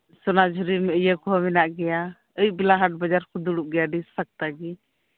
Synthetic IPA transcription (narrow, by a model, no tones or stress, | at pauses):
sɔnad͡ʒʱuɾiɾmɛəjəkɔɦɔmɛnaʔɡɛja | əjʔ̚bɛlaɦaʈ̚bəd͡ʒaɾkʰud̪uɽuʔ̚ɡɛjaɖissak̚t̪aɡi